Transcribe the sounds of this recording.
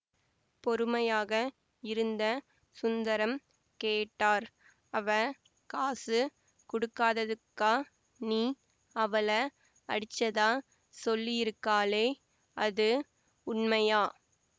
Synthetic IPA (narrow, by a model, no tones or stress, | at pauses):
pɔɾɯmɐjaːɣɐ | ɪɾɯnd̪ɐ | sʊnd̪ɐɾɐm | keːʈːaːɾ | ɐʋɐ | kaːsɯ | kʊɽʊkːaːðɐðɯkːaː | niː | ɐʋɐlɐ | ɐ̰ɽɪt͡ʃːɐðaː | sɔlːɪjɪɾɯkːaːleː | ʔɐðɯ | ʊɳmɐjaː